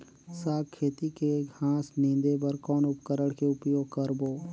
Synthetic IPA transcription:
saːkʰːeːt̪ikeɡʱãːsnĩːnd̪ebəɾkɔːnʊpkəɾəɽkeʊpjoːɡ̚kəɾboː

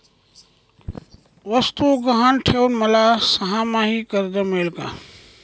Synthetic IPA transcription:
ʋəst̪uɡɐɦaːnʈʰeːunmɐlasɐɦãːmãːɦikəɾd̪əmeːlka̰ː

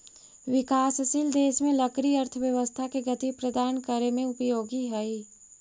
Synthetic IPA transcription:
ʋɪkaːsɐsild̪eːʃmẽlɐkɾiɐɾt̪ʰəʋjɐʋəst̪ʰakeɡɐt̪ipɾɐd̪aːnkəɾemẽʊpjoːɡiɦɐi

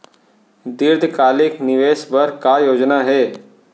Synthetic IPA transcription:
d̪iɾd̪ʱkaːlɪkniʋeːsbəɾkajoːd͡ʒnaɦeː

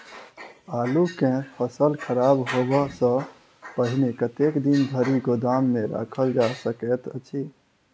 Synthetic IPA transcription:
alukẽpʰəsəlkʰəɾabɦobəsə̃ | pəɦinekət̪ekd̪ind̪ʱəɾiɡod̪amːeɾa̰kʰəld͡ʒasəkɛt̪ə̰t͡ʃʰi

